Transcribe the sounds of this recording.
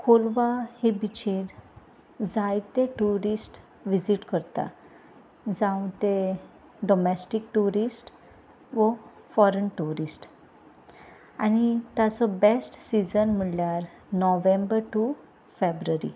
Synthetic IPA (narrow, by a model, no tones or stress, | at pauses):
kʰolʋahebit͡ɕeɾ | d͡zajt̪eʈuɾisʈ | ʋid͡ziʈkəɾt̪a̰ | d͡zãw̃t̪e | ɖɔmɛsʈikʈuɾisʈ | ʋɔ | fɔɾənʈuɾisʈ | a̰ñit̪jat͡sɔbesʈsid͡zənm̤əɭljaɾ | nɔʋembəɾʈu | febɾuəɾḭ